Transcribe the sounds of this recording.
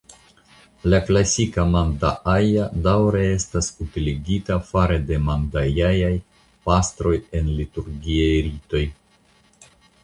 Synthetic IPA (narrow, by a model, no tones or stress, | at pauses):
laklasikamandaʔajadawɾee̞stasutiliɡitafaɾede̞mandajajaj | pastɾo̞je̞nlituɾɡiajɾito̞j